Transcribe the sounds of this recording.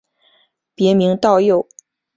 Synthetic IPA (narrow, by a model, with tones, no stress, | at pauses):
pjɛ˧˥mi˧˥ŋt̪ɑ˥˧ʊjo˥˩ʊ